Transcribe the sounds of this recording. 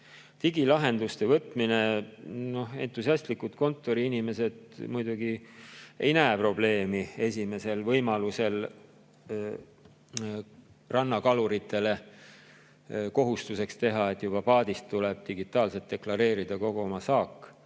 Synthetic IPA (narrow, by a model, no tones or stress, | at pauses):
t̪iɡilɑɦe̞nd̪ust̪e̞vɤt̪ːˑmine̞no̞e̞̰nt̪ˑːusiɑst̪likːut̪ko̞nt̪ːˑo̞ɾiinime̞se̞d̪̥mujd̪uɡ̥ie̞̰jnæepro̞b̥le̞ːmie̞sʲime̞se̞lvɤjmɑluse̞l | rɑnːɑkɑluɾit̪ʰːˑe̞le̞ | ko̞ɦust̪use̞kst̪e̞ɦɑe̞t̪ːˑjub̥ɑpɑːd̪ist̪ːule̞b̥̚t̪iɡit̪ːˑɑːlset̪ːe̞klɑɾe̞ːɾid̪̥ɑko̞ɡ̥oomɑsɑːkːˑ